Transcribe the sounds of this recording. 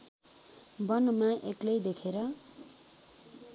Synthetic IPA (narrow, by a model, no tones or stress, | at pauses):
bʌnʌmaʔeklʌjd̪ekʰeɾʌ